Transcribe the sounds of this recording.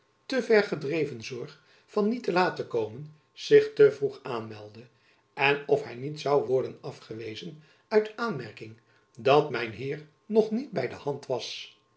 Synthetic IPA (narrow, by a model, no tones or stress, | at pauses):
təvɛɹχədrejvənzɔɹχ | fɑnːitəlaːtəkowmən | z̥ɪχtəvruχaːnmɛlˠdə | ɛnɔfɦɛjnitsɑwʋɔɹdənɑfχəʋejzən | œɥtaːnmɛɹkɪŋ | dɑtmɛjnɦɪːɹ | nɔχnid̚bɛjdəhɑntʋɑs